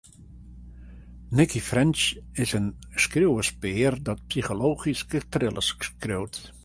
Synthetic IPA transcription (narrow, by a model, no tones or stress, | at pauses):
nɪkifrɛnt͡ʃɪsən | skrøwəspɪːrdɔt̚psixoloːχiskətrɪlˠə̰skrøwt